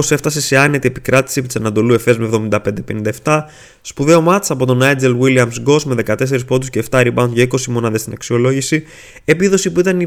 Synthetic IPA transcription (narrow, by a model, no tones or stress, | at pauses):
ose̞ft̪ɐse̞se̞ɐnet̪ie̞pikɾɐt̪i̥siepit̪isɐnɐnd̪o̞lue̞fe̞zmevðo̞mind̪ɐpe̞nd̪epe̞nind̪ɐeft̪ɐ | spuðe̞o̞mɐt͡sɐpo̞t̪o̞nɐjd͡zelwiliɐmsɡo̞sme̞ðe̞kɐt̪e̞s̬e̞ɾispo̞d̪usce̞ːft̪ɐɾibɐ̃nt̪ʝɐiko̞simo̞nɐðest̪inɐksio̞lo̞ʝisi | e̞piðo̞sipuit̪ɐni